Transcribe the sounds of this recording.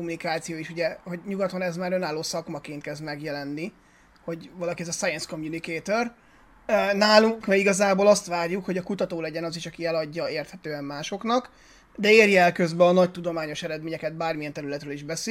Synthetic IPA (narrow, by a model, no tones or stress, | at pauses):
omunikaːt̪sijoːiʃuɟɛho̞ɟɲuɡɒt̪lɒnɛzmaːɾø̞naːloːsɒkmɒkeːnt̪kɛzd̪mɛɡjɛlɛnːi | ho̞ɟvɒlɒkiɛzɒsajɛnskomjunikeːt̪ør | naːluŋkmɛiɡɒzaːboːlɒst̪ʋaːrjukho̞ɟɒkut̪ɒt̪oːlɛɟɛnɒzeːʃɒkiɛlɒɟːɒeːrt̪hɛt̪øːɛmːaːʃo̞knɒk | d̪ɛeːrjɛlkøzbɛɒnɒc̚t̪ud̪o̞maːɲo̞ʃɛɾɛd̪meːɲɛkɛd̪̚baːrmijɛnt̪ɛɾylɛt̪ɾøːliʒbɛseː